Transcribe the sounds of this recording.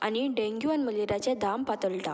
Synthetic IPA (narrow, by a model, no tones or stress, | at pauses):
a̰niɖẽŋɡjuanməleɾat͡ɕẽd̪ampat̪əɭʈa̰